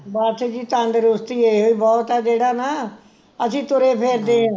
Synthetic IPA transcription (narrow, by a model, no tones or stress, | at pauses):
baːɾseːd͡ʒiːt̪əɳɖɾʊst̪iːeːɦoːiːbɔːt̪ɛːd͡ʒeːɽaːnaː | əsĩːt̪ʊɾeːpʰeːɾd̪eːãː